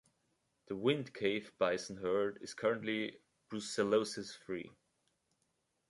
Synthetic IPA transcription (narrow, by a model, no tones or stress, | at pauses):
ðəwɪ̃ndkʰeɪvb̥aɪsn̩ɦɜ˞dɪz̥kʰʌɹɨ̃nʔli | b̥ɹusəloʊsɨsfɹḭ